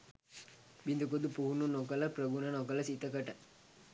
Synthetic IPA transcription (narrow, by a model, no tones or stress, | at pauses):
bind̪ɐkod̪upuɦununokɐlɐpɾɐɡunɐnok̬ɐlɐsit̪ːɐkɐʈɐ